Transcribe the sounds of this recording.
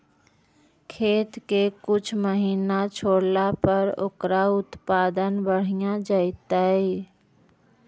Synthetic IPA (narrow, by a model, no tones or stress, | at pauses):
kʰeːt̪kekʊt͡ʃʰməɦinat͡ʃʰoɽlapəɾo̰ːkɾaʊt̪pad̪ənbəɽ̤ijãd͡ʒaɪt̪əj